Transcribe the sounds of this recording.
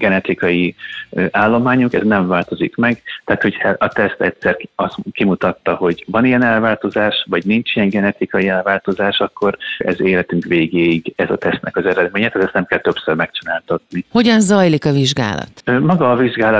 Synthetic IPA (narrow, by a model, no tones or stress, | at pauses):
ɡɛnɛt̪ikɒjiʔaːlːo̞maːɲukɛ̰znɛɱvaːlt̪o̞zikmɛɡt̪aat̪ho̞chɛɒt̪ɛst̪ɛcsɛrɒskimut̪ɒt̪ːɒho̞ɟvɒnijɛnɛlvaːlt̪o̞zaːʃvɒɟnint͡ʃijɛŋɡɛnɛt̪ikɒjiɛlvaːlt̪o̞zaːʃɒkːo̞ɾɛ̰zeːlɛt̪yŋkʋeːɡeːiɡɛzɒt̪ɛst̪nʔɛ̰kɒzɛɾɛd̪meːɲɛt̪aːt̪ɛst̪ɛmkɛlt̪øpsørmɛkt͡ʃinaːlt̪ɒt̪niho̞ɟɒnzɒjlikɒviʒɡa̰ːlɒ̰t̪ømɒɡɒːviʒɡaːlɒ